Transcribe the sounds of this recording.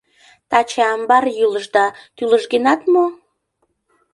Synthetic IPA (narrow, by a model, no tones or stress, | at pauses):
t̪ɑt͡ɕeɑmbɑrjyləʒd̪ɑt̪yləʒɡenɑt̪mo